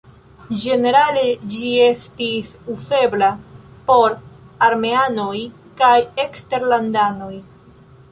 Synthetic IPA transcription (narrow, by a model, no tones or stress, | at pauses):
d͡ʒe̞ne̞ɾale̞d͡ʒie̞stisuse̞blapo̞ɾaɾme̞ano̞j | kaje̞kste̞ɾlandano̞j